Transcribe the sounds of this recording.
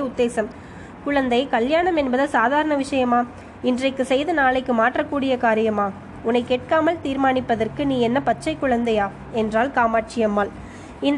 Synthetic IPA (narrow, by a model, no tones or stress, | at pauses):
ʊd̪ːeːsɐm | kʊɻɐnd̪ɐɪkɐljaːɳɐmɛnbɐðɐsaːðaːɾɐɳɐʋɪʂɐjɐmaː | ɪndrɐɪkːɯsɛjðɐnaːlɐɪkːɯmaːʈrɐkːuːɽɪjɐkaːɾɪjɐmaː | ʊnɐɪkːeːʈ̚kaːmɐlt̪iːɾmaːɳɪpːɐðɐrkɯniːɛnːɐpɐt͡ʃt͡ʃːɐɪkːʊɻɐnd̪ɐjaː | ɛndraːlkaːmaːʈ̚t͡ʃɪjɐmaːl | ɪn